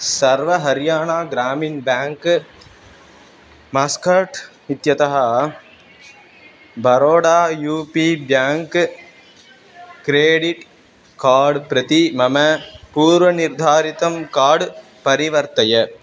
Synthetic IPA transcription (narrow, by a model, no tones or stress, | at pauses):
sɐɾʋɐɦɐɾɪjaːnaːɡɾaːmɪnbaːŋk | mɐskɐɾʈ | ɪt̪jɐt̪ɐɦɐ | bɐɾoːɽaːjuːpibjaːŋk | kɾeːɽɪʈ | kaːɾɖpɾɐt̪imɐmɐpuːɾʋɐnɪɾd̪ʱaːɾɪt̪ɐmkaːɽ | pɐɾɪʋɐɾt̪ɐjɐ